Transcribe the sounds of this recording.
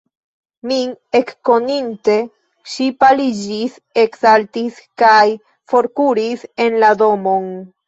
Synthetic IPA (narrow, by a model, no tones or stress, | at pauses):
mine̞kːo̞ninte̞ | ʃipalid͡ʒis | e̞ksaltiskaj | fo̞ɾkuɾise̞nlado̞mo̞n